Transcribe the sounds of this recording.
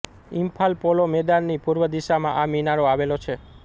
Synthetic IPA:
impʰalpolomɛd̪anːipuɾʋəd̪iʃamã̰ʔaminaɽoaʋelot͡ʃʰe

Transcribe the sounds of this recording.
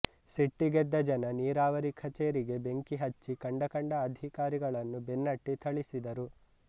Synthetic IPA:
seʈːiɡɛd̪ːɐd͡ʒɐnɐniːɾaːʋɐɾikʰɐt͡ʃeːɾiɡe̞be̞ŋkiɦɐt͡ʃːikɐɳɖɐkɐɳɖɐːd̪ʱikaːɾiɡɐɭɐnːubenːɐʈːit̪ʰɐɭisid̪ɐɾu

